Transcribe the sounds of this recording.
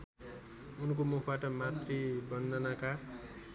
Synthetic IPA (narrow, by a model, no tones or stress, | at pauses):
unkomukʰbaʈʌmat̪rejbʌnd̪ʱʌnaka